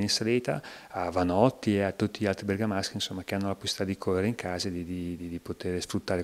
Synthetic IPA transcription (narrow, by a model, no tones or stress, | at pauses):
ninsaleːt̪a̰avanɔt̪ːieat̪ːut̪ːiʎalt̪ɾibeɾɡamask̟insomːakeanːolapo̥si̥i̥t̪ad̪ikʰorːeɾeiŋkʰaːzaed̪id̪id̪id̪ipot̪eːɾesfɾut̪ːaːɾe